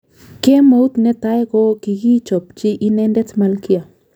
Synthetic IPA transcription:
ke˦mo˦u˦t̪nɛ˦t̪a˦jkɔ˦ki˨ɡi˦t͡ʃɔ˨pt͡ʃɪ˦ʔi˦nɛ˦ndɛ˦tma˨lki˦a˨

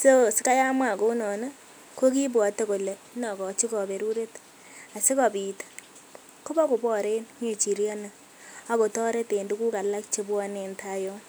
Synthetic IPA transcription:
so˦˨sɪ˦ka˦ja˦mwa˨ko˦nɔ˨na˦ | ko˦ki˦bwɔ˨te˦ko˨le˨ | nɔ˨kɔ˨t͡ʃi˦kɔ˨be˨ɾu˦ɾe˦t | a˨sɪ˦kɔ˨bi˨t | ko˦bɔ˦ko˨bɔ˦˨ɾe˦nme˨t͡ʃi˨ɾja˦na˨ | a˨ko˨tɔ˦ɾe˦te˨ndu˦ku˦ka˨la˦k̚t͡ʃe˦bwa˦ne˨nta˦jɔ˦

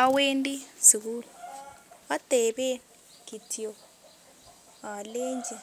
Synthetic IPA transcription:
a˦we˦ndʼi˦z̥i˨kuː˦lu | a˦d̥ʱɛ˨ɓɛ˦ | ɡ̥ʱi˨tʰi˦jɔ˨ | ɦa˨leː˦nd͡ʒʱɛ˨

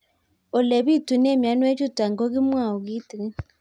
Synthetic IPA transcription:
o˨le˨βi˦tu˨ne˦˨mja˦nwe˦t͡ʃu˦ta˨ŋɡo˦ɣi˦mwa˦˨o˨ɣi˦ti˨ɣi˦

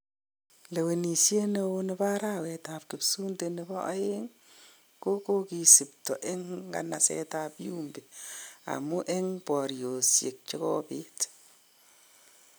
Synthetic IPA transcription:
le˨we˨ni˨sje˦ne˦wo˦nɪ˦ba˦ɾa˦wɛ˨ta˨p̚kɪ˨psu˦nte˨nɪ˨bɔ˦ʔa̰˦e˦ŋ | ko˦ko˦ki˨sɪ˨ptɔ̰˨ʔe˦ŋɡa̰˨na˨sɛ̰˦tapju˦mbi˨a̰˨mʊ˦ʔe˦ŋpɔ˨ɾjo˨sje˨k̚t͡ʃe˦kɔ˦pɪ˦t

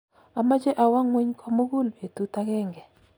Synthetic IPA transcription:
a˨ma˦d͡ʒe˦ʔa˨wa˦ŋwe˦ɲkʰɔ˦mo˦ɡu˦lbe˨t̪u˦ta˦kɛ˦ŋɡɛ˨

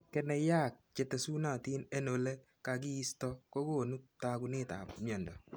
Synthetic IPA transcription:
kɛ˦nɛ˨ja˦˨k̚t͡ʃe˨te˨su˦na˨ti˦ne˦no˨le˦ | ka˧k̬i˦i˦stɔ˦ko˦ko˦˨nu˦ta˦ku˦nɪ˦ta̰˨pmjɔ˨ndɔ˨

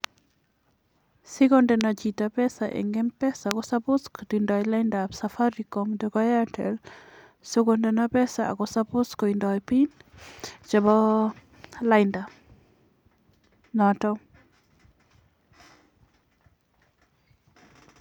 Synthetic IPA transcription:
sɪ˦kɔ˦ndɛ˨na˨t͡ʃi˨ta˨pɛ˦sa˨ʔḛ˨ŋɡɛ˦mpɛ˦sa˨kɔ˦sa˦pʊ˦sko˨dindɔ˨jla˦ɪnda˨psa˨fa˦ɾikɔmdɔkɔ˦ja˦tɛ̰˨l | sʊ˦ɡondɛ˨napɛ˦sa˨a̰˨kɔ˨sa˦pʊ˦skɔ˨i˨ndɔ˨jpi˦n | t͡ʃɛ˨bɔ˦ | la˦ɪnda˨ | nɔtɔ˦

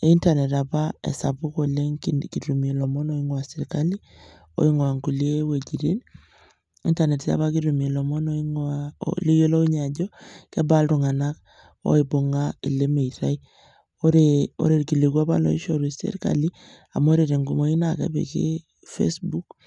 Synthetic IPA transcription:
e˦i˦ntane˨ta˨pa˦ḛ˨sa̰˨pu˦ko˨le˦ŋki˨ɾu˨mie˨lɔ˨mɔ˦no˦i˦ŋwa˨se˨ɾka˦li˦ | o̰˦i˦ŋwa˨ŋɡu˨le˦we˨d͡ʒi˨ɾi˦n | ḭ˦nta˨ne˨tsa̰˨ba˦ki˦ɾu˨m˨e˨lɔ˨mɔ˦nɔ˦iŋa̰li˦jo˦lo˦u˦ɲa˨ɟɔ˦kɛ˦ba˦ltu˨ŋa˨na˦k | o̰˦ibo˨ŋa˦i˨le˦me˨iɾa˦i | oɾeo̰˦ɾe˨ɾki˨li˨kwa˦pa̰˦lɔ̰˨ḭ˦ʃoɾu˨sḛ˦ɾka̰li˦ | a˨mo˦ɾeɾe˨ŋɡu˨mo˦i˦na˨kɛ̰˦bḛ˨kḛ˦ | fḛ˦sbu˦k

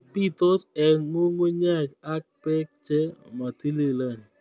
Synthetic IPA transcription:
pi˦t̪ɔ˦sɛ˨nmo˦ŋo˦ɲa˦˨t͡ʃa˦k̚pɛ˦k̚t͡ʃɛ˦ma˨t̪i˦le˦la˦˨n˨

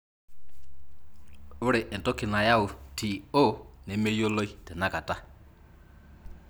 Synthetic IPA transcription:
ʊ˦ɺɪ˨ʔɛ˨ntʼɔ˦kʰi˨na˨ja˦u˨tʰi˨o˦nɛ˨˦me˦jo˦lo˦i˦tɛ˨na˦kʼa˨tʼa˦˨

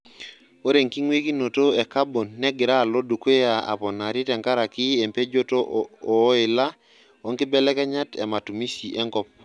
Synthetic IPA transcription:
o˦ɾe˨ŋki˦ŋwe˦ki˦no˨to˦ɛ˨ka˦bo˨nːɛ˦ɡɪ˨ɾa˦˨lo˦do˨ke˦ja˨a̰˨pɔ˨na˨ɾɪ˦tɛ˨ŋka˦ɾa˨kɪ˦e˨mpe˦d͡ʒo˦to˦ɔ˨˦ɪ˨la˦ | ɔ˨˦ŋkɪ˦bɛ˦lɛ˦kɛ˦ɲa˦tɛ̰˨ma˨tu˨mi˦si˨ʔɛ˦ŋkɔ˦p̚

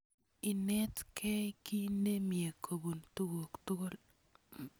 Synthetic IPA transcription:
ɪ˨nɛ˦tkʰɛ˦ki˦ne˦mje˨kʰo˨bu˨ntu˦wo˨ktʊ˦ɡo˦l

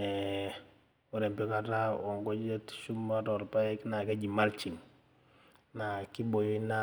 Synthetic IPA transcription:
ɛ˨ | u˨ɾɛ˨mpɔ˦ka˦ta˦ɔ˨ŋɡɔ˦d͡ʒe˦tʃu˦ma˦tɔ˨ɾpa˦i˦kna˨ka˦d͡ʒi˨ma˦lt͡ʃi˨ŋ | na˨ki˦bo˨jo˦na

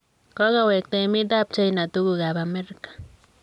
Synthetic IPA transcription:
ko˦ɣawe˨k̚t̪e˧mi˦t̪̬a˦p̚t͡ʃa˦jna˨t̪u˦ɡuɡa˨bame˦ɾkḁ˨

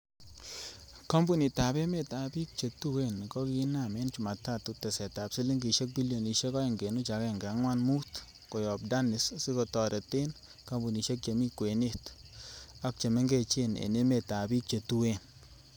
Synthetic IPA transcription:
kɔ˦mbu˦˨ni˨ta˨bɛ˦me˨ta˨bi˦k̚t͡ʃe˨tu˦we˦˨nkɔ˦ki˦na˦˨me˦nt͡ʃu˨ma˨ta˦˨t̪u˦tɛ˨sɛ˨ta˨psi˦li˦ŋɡi˨ʃe˦k̚bi˦ljo˨ni˨ʃe˦kɔ˦e˨ŋɡe˨nu˦t͡ʃa˨kɛ˦˨ŋɡa˨˦ŋwa˦nmu˦t̪ | kɔ˨jɔ˨b̚da˦nɪ˨ssi˦kɔ˨tɔ˨ɾɛ˨t̪e˦n | ka˦mbu˨ni˨ʃe˦k̚t͡ʃe˨mi˦kwe˨ne˦˨t | a˦k̚t͡ʃe˨me˦ŋɡe˦˨t͡ʃe˦nḛ˨ne˦me˨ta˨bi˦k̚t͡ʃe˨tu˦we˦˨n

